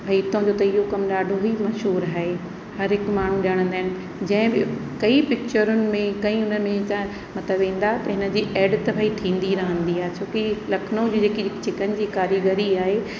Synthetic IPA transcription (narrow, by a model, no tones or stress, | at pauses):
bʱɐit̪õd͡ʑoːt̪ɐɪɦokɐmɗaːɖʱoɦimɐʃɦuːɾaːɦe | hɐɾɦɪkmaːɳ̤ũɗɐɽ̃ə̃nd̪aːɪ̃nɪ̆ | d͡ʑɐ̃ɦɪ̃bɪkɐipɪk̚t͡ɕəɾʊnɪ̆mẽkɐ̃ĩʊnəmẽt̪ã | mɐt̪ləbʋẽːn̆d̪at̪ɐɦɪnə̆d͡ʑiːʔɛːɖt̪ɐbʱait̪ʰĩːn̆d̪iɾɐɦə̃nd̪iaːɦet͡ɕʰoːkilɐkʰnõd͡ʑiːd͡ʑeːkit͡ɕɪkənɪ̆d͡ʑiːkaːɾiɡəɾiaːɦe